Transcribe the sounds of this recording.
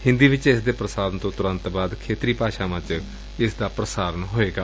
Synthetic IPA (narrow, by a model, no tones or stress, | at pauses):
hɪ̃nd̪iːʋɪt͡ʃɪsd̪eːpɾəsaːɾənt̪õːt̪ʊɾə̃nt̪baːd̪kʰeːt̪ɾiːpaːʃaːʋə̃t͡ʃ | ɪsd̪aːpɾəsaːɾənɦoːeːɡaː